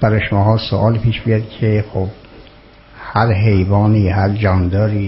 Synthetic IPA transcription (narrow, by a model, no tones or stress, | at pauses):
b̥æɾɒːjʃomɒːhɒːso̰ʔɒːlpʰiːʃbijɑd̪kʰexob̚ | hæɾɦe̞jbɒːniːhæɾd͡ʒɒːnd̪ɒːɾiː